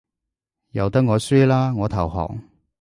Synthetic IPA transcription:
jɐ˨˩wt̪ɐ˥k̚ŋɔː˨˧syː˥laː˥ŋɔː˨˧t̪ʰɐ˨˩wɦɔ̰ː˨˩ŋ

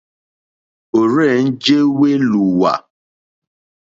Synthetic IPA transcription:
o˨ɾɛ˦˨n̩˦d͡ʒe˦we˦lu˨wa̰˨

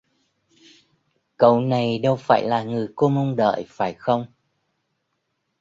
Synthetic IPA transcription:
kə˧˩wna˨˩jɗə˧wfaː˧˩jlaː˨˩ŋɨ˨˩əjko˧mə˧ŋ͡mɗə̰ː˧˨jfaː˧˩jxə˧wŋ͡m

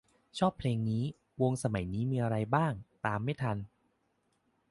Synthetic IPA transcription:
t͡ɕʰɔː˥˩pʰleː˧ŋniː˦˥ | wo˧ŋsa˧ma˨˩˦jniː˦˥miː˧ʔa˧ɾa˧jbaː˥˩ŋt̪aː˧mːa˥˩jt̪ʰa˧n

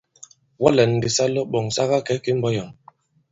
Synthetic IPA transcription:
wɔ˦lɛ˨n˨di˨sa˦lɔ˦ɓɔ˨ŋsa˦ɣa˦kɛ˨˦ke˨˦m̩˦bɔ˦jɔ˨m

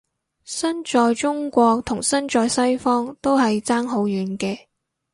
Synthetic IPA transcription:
sɐ˥nt͡ʃɔː˧jt͡sʊ˥ŋkʷɔː˧k̚t̪ʰʊ˨˩ŋsɐ˥nt͡ʃɔː˧jsɐ˥jfɔː˥ŋt̪o˥wɦɐ˨jt͡saː˥ŋɦo˨˥wjyː˨˥nkɛː˧

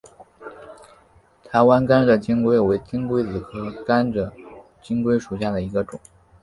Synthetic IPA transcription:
t̪ʰa˧˥ɪwa˥nka˥nʈ͡ʂə˨t͡ɕi˥ŋkwe˥ɪwe˧˥ɪt͡ɕi˥ŋkwe˥ɪt͡sɹ̩˨˩kʰɤ˥ka˥nʈ͡ʂə˩ | t͡ɕi˥ŋkwe˥ɪʂu˨˩ɕja˥˩d̪ə˩i˧˥ɡə˧ʈ͡ʂʊ˨˩˦ŋ

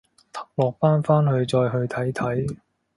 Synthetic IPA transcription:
t̪ʰɐ˨˩k̚lɔː˨˩k̚paː˥nfaː˥nhɵ˧ɥt͡sɔː˧jɦɵ˧ɥt̪ʰɐ˨˥jt̪ʰɐ˨˥j

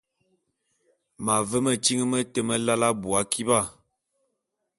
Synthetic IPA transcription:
ma˨və˦mə˦˨t͡ʃi˦ŋə˦mə˦tə˦mə˦la˦la˦bu˨a˦kʰi˦ba˦˨

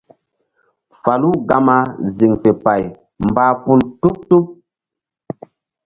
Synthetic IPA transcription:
fa˨lu˦ɡa˦ma˦zi˨ŋfe˨pa˨j | mbaː˦pu˦ltu˦k̚tu˦k̚

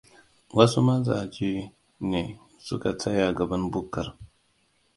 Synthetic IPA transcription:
wa˦su˦ma˦za̰˨d͡ʒi˦ | ne˨ | sṵ˦ka˨t͡sʰa˦ja˨ɡa˨ba˦nbu˦kːa˨ɾ

